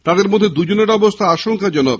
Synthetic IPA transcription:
t̪ad̪eɾmod̪ʱːed̪ud͡ʑoneɾɔbost̪ʰaaʃoŋkad͡ʑɔno

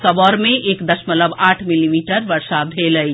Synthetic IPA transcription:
səbɔːɾmẽʔeːkd̪əʃmələbaːʈʰmilimiːʈəɾʋəɾʃabd̪ʱeləi

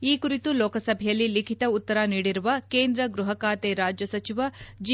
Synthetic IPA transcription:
iːkuɾit̪uloːkɐsɐbʱɛjɐlːilikʰit̪ɐut̪ːɐɾaniːɽiɾuʋɐkeːnd̪ɾɐɡɾuɦɐkaːt̪eɾaːd͡ʒjɐsɐt͡ʃiʋɐd͡ʒ

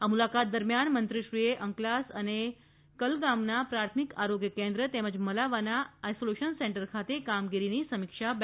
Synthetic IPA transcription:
ɦamulakat̪̚d̪əɾmjanmənt̪ɾiɕɾijeʔəŋklasəne | kəlɡamnapɾat̪ʰmikaɾoɡjəkend̪ɾət̪eməd͡ʑməlaʋanaːjsoleʃənseɳʈəɾkʰat̪ekamɡiɾinisəmikʂab

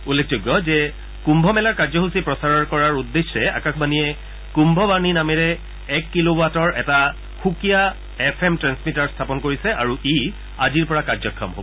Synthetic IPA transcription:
ulːek̚ʰzoɡːɔzɛ | kumbʱɔmɛlaɹkaɹzɔɦusipɹɔsaɹɔɹkɔɹaɹudːesːɛa̰kakʰbanijɛ | kumbʱɔbaɹninamɛɹɛ | ɛkːilowatɔɹɛta | xukija | ɛpʰɛmtɹansmitaɹstʰapɔnkoɹisɛaɹuʔi | aziɹpɔɹakaɹzɔkʰːɔmɦo̰bɔ

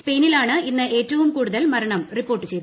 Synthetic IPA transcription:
spe̞jnilaːɳɨinːɨʔe̞ːtːɐʋumkuːɽuðɐlmɐɾɐɳɐmripːo̞ːrʈːɨt͡ɕe̞jt̪u

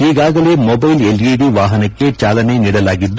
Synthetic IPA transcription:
eːɣaːɣɐleːmobɐɪlɛliːɽiʋaːɦɐnɐkːet͡ʃaːlɐnɐɪniɽɐlaːɣɪt̪ːu

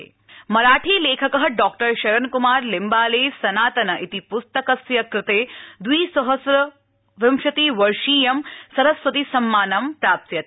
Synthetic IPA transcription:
mɐɾaːʈʰiːleːkʰɐkɐɦɐɖɔːk̚ʈɐɾʃɐɾɐnkumaːɾlɪmbaːleːsɐnaːt̪ɐnɐʔit̪ipust̪ɐkɐsjɐkɾɪt̪eːd̪wiːsɐɦɐsɾɐ | ʋɪmʃɐt̪iːʋɐɾʂiːjɐmsɐɾɐsʋɐt̪isɐmːaːnɐmpɾaːp̚t̪jɐt̪

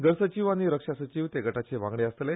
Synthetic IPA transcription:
ɡəɾsət͡ɕiʋaɽ̃iɾəkʂasət͡ɕiːʋt̪eɡəʈat͡seʋã̰ŋɡɽeəst̪le

